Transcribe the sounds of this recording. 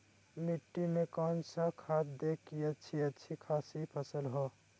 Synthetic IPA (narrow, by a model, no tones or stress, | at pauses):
miʈːimẽkɔnsəkʰat̪̚d̪ekːiətːt͡ʃʰiətːt͡ʃʰikʰasipʰəsəlɦo